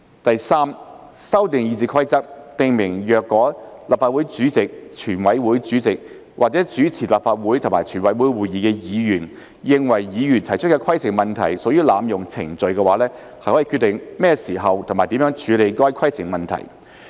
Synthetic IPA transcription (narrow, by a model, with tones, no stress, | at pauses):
t̪ɐ˨jsaː˥m | sɐ˥wt̪ɪ˨ŋjiː˨˧t͡siː˧kʰɐ˥jt͡sɐ˥k̚t̪ɪ˨ŋmɪ˨˩ŋjœː˨kːɔː˨˥laː˨p̚faː˧wu˨˥jt͡syː˨˥t͡sɪ˨k̚t͡ʃʰyː˨˩nwɐ˨˥jwuː˨˥jt͡syː˨˥t͡sɪ˨k̚ | wʔaː˨t͡sɛː˨˥t͡ʃyː˨˥t͡sʰiː˨˩laː˨p̚faː˧t̚wuː˨˥jt̪ʰʊ˨˩maː˨˩jt͡ʃʰyː˨˩nwɐ˨˥jwuː˨˥jwuː˨˩jiː˨˧kɛː˧jiː˨˧jyː˨˩n | jɪ˨˧ŋwɐ˨˩jːiː˨˧jyː˨˩nt̪ʰɐ˨˩jt͡ʃʰɵ˥tkɛ˧kʰɐ˥jt͡sʰɪ˨˩ŋmɐ˨nt̪ʰɐ̰˨˩jsoː˨˥jyː˥laː˨˧mjʊ˨˩ŋt͡sʰɪ̰˨˩ŋt͡sɵ˨ɥkɛː˧waː˨˥lɛː˥ | hɐ˨jhɔː˨˥ji˨˧kʰyː˧t̪ɪ˨˩ŋmɛː˥siː˨˩ɦɐ˨wt̪ʰmaː˨˩jt̪i˨˥mjœː˨˥ŋt͡ʃʰyː˨˧le˨˧jkɔː˥jkʰɐ˥jt͡sʰɪ˨˩ŋmɐ˨nt̪ʰɐ̰˨˩j